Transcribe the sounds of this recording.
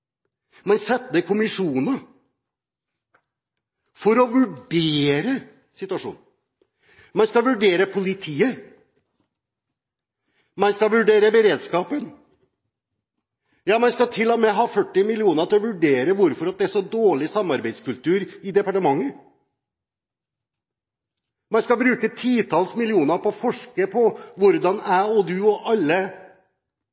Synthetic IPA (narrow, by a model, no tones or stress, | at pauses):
mɛnsɛt̪ːd̪ɛkʰʊmɪʂuːnə | fɔɾɔʋʉɖeːɾə | sɪt̪ʉɑʂṵːn | mɑnskɑʋʉɖeːɾəpʰʊlɪt̪ʰiːə | mɑnskɑʋʉɖeːɾəbəɾeːd̪skɑːpən | jɑːmɑnskɑt̪ʰɪlːɔmɛɦɑːfœʈːɪmɪlɪuːnəɾt̪ɔʋʉɖeːɾəʋʊɾfɔɾɑt̪̚d̪ɛæʂɔd̪oːɭɪsɑmːɑɾbæɪd̪skʉlt̪ʉːɾɪd̪ɛpɑʈəmɑŋːə | mɑnskɑbɾʉːkət̪ʰiːt̪ʰɑːlsmɪlɪuːnəɾpɔːfɔʂkəpʰɔʋʊɾd̪ɑnæɪɔd̪ʉɔʔɑlːə